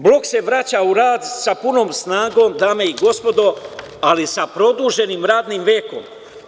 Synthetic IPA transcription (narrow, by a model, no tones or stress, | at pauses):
blo̞kse̞ʋɾat͡ɕauɾaːd̪sapunoːmsnaːɡo̞ːmd̪aːme̞iɡo̞spo̞d̪o̞ | alisapɾo̞d̪uːʒe̞niːmɾaːd̪nimʋeːko̰m